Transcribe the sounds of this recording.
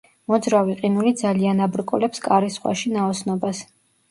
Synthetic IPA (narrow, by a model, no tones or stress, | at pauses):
mɔd̪zɾaviqʼinulid̪zalianabɾkʼulɛpskʼaɾisχwa̰ʃinaɔsnɔbas